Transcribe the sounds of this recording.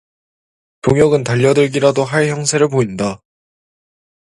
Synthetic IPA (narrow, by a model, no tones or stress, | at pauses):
toŋjʌɡɯntaʎːʌdɯɭɡiɾadoɦaɭçjʌŋsʰe̞ɾɯɭp̬oinda